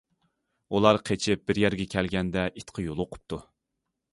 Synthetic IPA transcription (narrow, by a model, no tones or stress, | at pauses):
ulˠɑɾqʰet͡ʃʰɪp̚bɪɾjɛɾɡʲɛkʲʰɛlɡʲɛnd̪ɛʔit̪qʰəjolˠoqʰʊ̥p̚t̪ʰu